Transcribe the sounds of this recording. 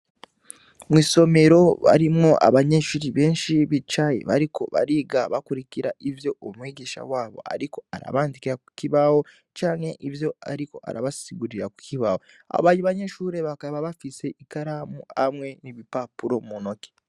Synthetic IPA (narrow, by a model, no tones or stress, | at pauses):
mwiːso̞me̞ɾo̞βa̰ɾimŋoʔa̰βaɲe̞ʃuɾiβeːnʃiβit͡ʃajḛβa̰ɾikʰoβa̰ɾiɡaβakuɾikiɾaʔivjo̞ːmweːɟeʃa̰waːβo̞̰a̰ɾiko̞aɾa̰βaːndikiɾaku̥ciβawo̞ | t͡ʃaːŋhe̞ʔivjo̞a̰ɾiko̞ʔa̰ɾaβasiɡuɾiɾaku̥kʰiβawo | a̰o̰βaːɲiβaɲe̞ʃuːɾe̞βakaβaβafise̞ʔikaɾamua̰mwe̞niβipapuɾo̞munoke̥